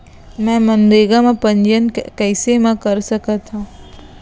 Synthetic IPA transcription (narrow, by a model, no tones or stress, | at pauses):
mɛ̃mənd̪eːɡamẽpə̃ɲd͡ʒənkɛɪsemẽkəɾsəkət̪ɦũ